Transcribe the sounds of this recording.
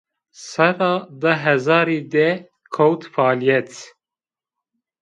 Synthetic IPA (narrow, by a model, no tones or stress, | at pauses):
sɛɾɑːd̪əɦɛzɑːɾiːd̪ɛ | kʰowt̪fɑːlijɛt̪